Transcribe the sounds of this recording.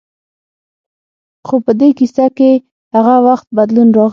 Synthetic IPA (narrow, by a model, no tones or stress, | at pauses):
xopəd̪ekisake | haɣawaxt̪̚bad̪lunɾɑɣ